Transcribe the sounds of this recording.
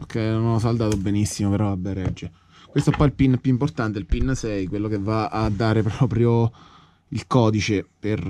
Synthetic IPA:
o̰kʰːɛjnonɔs̬ald̪aːt̪obenisːimopeɾɔvabːɛɾɛd͡ʒːe | kwest̪oepːɔjilpinːpːjuimport̪ant̪eilpinːsɛjkwelːokevaːd̪ːaːɾepɾɔːpɾjo | ilkɔːd̪it͡ʃeper

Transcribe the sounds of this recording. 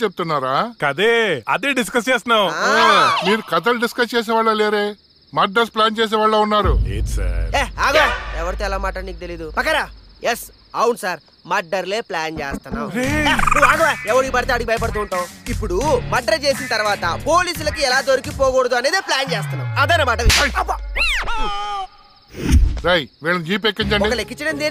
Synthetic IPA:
t͡ʃep̬̚t̪unːaːɾaːkɐd̪eːɐ̰d̪eːɖiskɐs̬t͡ʃeːst̪unːaːw | miːɾukɐt̪̬ɐlɖiskɐst͡ʃeːs̬ɛːʋaːɭːɐleːɾeː | mɐɖɐɾsplaːnt͡ʃeːs̬ɛːʋaːɭːoːunːaːɾuḛːsɐ̰ɾeːaːɡoɛʋɐɾit̪eːlaːmaːʈɐniːk̚ut̪elid̪upɐkːɐɾaːjes | ɐwunsaːɾ | mɐɖːɐɾleːplaːnt͡ʃḛːst̪unːa̰ːw | aːɡɐɛʋɐɾuiːbɐɾit̪eɐɽuɡibɐjɐp̬ɐɽt̪uːɳʈaːwipːuɽumɐɖːɐɾt͡ʃe̞ːsinɐt̪ɐɾʋaːt̪ɐpo̞ːliːs̬ulɐkiɛlaːd̪oɾikipɔːɡɔɽɐd̪uɐneːd̪eːplaːnt͡ʃeːs̬t̪unːaːwɐd̪ɐjnɐmaːʈɐʋiʃab | ɾejʋiːɭɐnid͡ʒiːp̬ekːiɲt͡ʃɐɳɔɖikɐlekːit͡ʃːɐɽɐnd̪en

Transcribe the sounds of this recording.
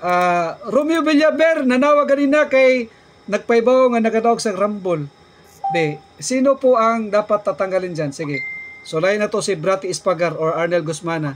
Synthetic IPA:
ʔaɾumjobɪljabɛɾnɐnaːwaɡ̚kɐninakaj | nɐɡ̚pɐjbaoŋanɐkad̪aoɡsɐɡɾambʊl | d̪ɛ | siːnopoʔɐŋd̪aːpat̪ːat̪ɐŋɡalɪnd͡ʒansiɡɪsolaːjɪnɐt̪osɪbɾat̪ɪɪspaɡaɾoɹaɾnɛlɡʊsmaːna

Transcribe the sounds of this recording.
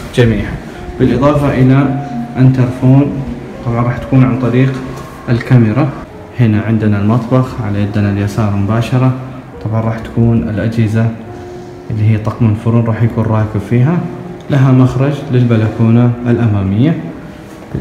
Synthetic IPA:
d͡ʒamiːħa | b̥ɪlʔɨðˤɑːfɑʔɪlaʔɪnt̪ɑɾˤfuːn | t̪ˤɑbʕɑnɾˤɑːħt̪ḁkuːnʕant̪ˤɑɾiːq | ʔɪlkamɪɾˤɑ | hɪnaʕɪnd̪analmɑt̪ˤbɑxʕalajad̪ːnaljasɑːɾˤmʊbaːʃɑɾˤɑ | t̪ˤɑbʕɑnɾˤɑːħt̪ḁkuːnɪ̰lʔad͡ʒhɪza | ʔɪlːiɦijːt̪ˤɑqmʊnfʊɾunɾˤɑːħjakuːnɾˤɑːkɪbfiːɦalaɦamaxɾˤɑd͡ʒlɪlbalakuːnaɪlʔamaːmɪjːa

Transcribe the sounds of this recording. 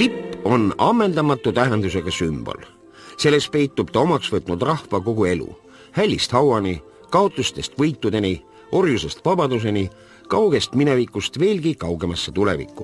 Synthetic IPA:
t̪ipːˑo̞nɑmːe̞nd̪̥ɑmɑt̪ːˑut̪æɦend̪use̞ɡ̥ɑsymb̥o̞̰l | se̞lːe̞s̚pe̞jt̪ːˑub̥̚t̪ɑo̞mɑksvɤt̪ˑnud̪̥rɑhvɑko̞ɡue̞lṵ | hælʲːist̪hɑwɑni | kɑo̞t̪ˑlust̪e̞st̪vɤjt̪ːˑud̪e̞ni | o̞rjuse̞st̪vɑbɑd̪us̬e̞ni | kɑwɡ̥e̞st̪mine̞vikˑːust̪ve̞ːlɡikɑwɡe̞mɑsːet̪ule̞̰vḭkːˑṵ

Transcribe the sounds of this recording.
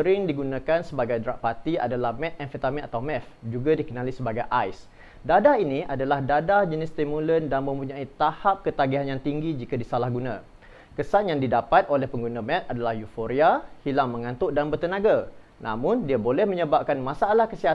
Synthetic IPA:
əɾɪŋdiɡunãkansəbaɡajdɾa̰ʔpat̪ia̰dalahmɛt̪̚ɛnfət̪amɛnat̪awmɛfd͡ʒuɡadikənalisəbaɡajʔajs | dadainiʔadalahdadad͡ʒənɪst̪imuləndanmə̃mpuɲãit̪ahap̚kət̪aɡiɦanjaŋt̪iŋɡid͡ʒikadisalahɡunã | kəsanjaŋdidapat̪̚olɛhpəŋɡunamɛt̪̚adalahjufoɾiahilaŋmə̃ŋãnt̪ʊʔdanbərt̪ənãɡa | nʔa̰mʊ̃ndiabolɛhmə̃ɲəbap̚kanmãsaalahkəsiɦa

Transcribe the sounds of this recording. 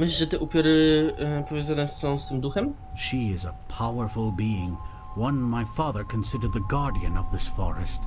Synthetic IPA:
mɪɕlʲiʐɛt̪ɛʔupʲjɔɾɨpɔvʲjɔ̃zanɛsɔ̃w̃st̪ɘmd̪uxɛm | ʃiɪzəpʰaʊə˞fl̩ˠbiɪ̃ŋ | wʌ̃nmaɪfɑðə˞kʰɨ̃nsɪdə˞d̪̚ðɨɡɑɹdiɨ̃nʌvðɪsfɔ̰ɹɨ̰st

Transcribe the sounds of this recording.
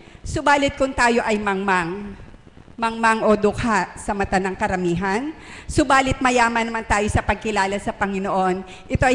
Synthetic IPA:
sobaːlɪt̪̚kʊŋt̪aːjo̞ʔɐjmɐŋmaŋ | mɐŋmaŋʔo̞d̪ʊkʰasɐmɐt̪ɐnɐŋkɐɾɐmiːɦɐn | sobaːlɪt̪̚mɐjaːmɐnɐmant̪aːjo̞sɐpɐɡ̚kɪlaːlɐsɐpɐŋɪno̞ʔo̞n | ʔɪt̪o̞ʔj

